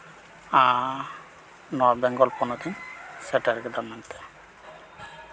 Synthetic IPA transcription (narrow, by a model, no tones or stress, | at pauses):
a | nɔabɛŋɡɔlpɔnɔd̪insɛʈaɾked̪amːant̪e̥